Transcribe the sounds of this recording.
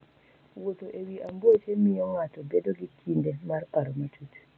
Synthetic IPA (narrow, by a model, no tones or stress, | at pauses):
wɔtɔʔɛwiʔambɔtɛmːijɔŋatɔbɛdoɡikʰːindɛmaɾkaɾɔmatut